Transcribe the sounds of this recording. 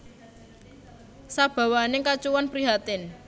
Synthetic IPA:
sab̥a̤wanekat͡ʃuwanpɾiɦat̪ɪn

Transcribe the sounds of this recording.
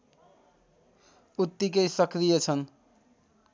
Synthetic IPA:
ut̪ːikʌjsʌkɾijʌt͡sʰʌn

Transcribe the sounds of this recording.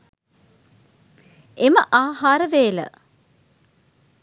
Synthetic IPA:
eməʔaːhaːɾəʋeːlə̰

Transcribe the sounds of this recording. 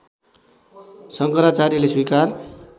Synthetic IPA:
sʌŋkʌɾat͡saɾileswujkar

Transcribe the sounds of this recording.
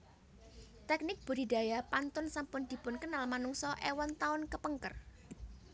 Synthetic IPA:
t̪ɛk̚nɪk̚b̥ṳɾida̤japant̪ʊnsampʊnd̪̥i̤pʊnkənalmanuŋsɔʔewɔnt̪aʊnkəpəŋkər

